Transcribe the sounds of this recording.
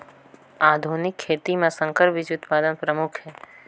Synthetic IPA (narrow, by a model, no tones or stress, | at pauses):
aːd̪ʱuːnɪkʰːeːt̪imẽsə̃ŋkəɾbɪd͡ʒʊt̪paːd̪ənpɾəmʊkʰɦɛː